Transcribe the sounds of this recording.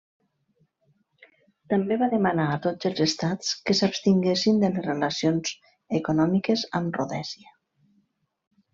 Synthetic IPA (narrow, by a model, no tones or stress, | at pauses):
t̪ambeβaðəmanaːt̪od͡zəlˠzest̪at͡skəsapst̪iŋɡesind̪ələzrelasionz | əkunɔmikəzə̰mruðɛziə